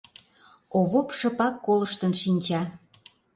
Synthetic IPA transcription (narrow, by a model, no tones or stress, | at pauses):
oβopʃɤ̆pɑkːoləʃt̪ənʃinʲt͡ɕɑ